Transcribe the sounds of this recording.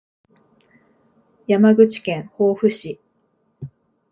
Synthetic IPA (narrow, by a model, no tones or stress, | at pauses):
jamaɡɯ̟t͡ɕi̥kẽ̞ɰ̃ho̞ːɸɯ̟ɕi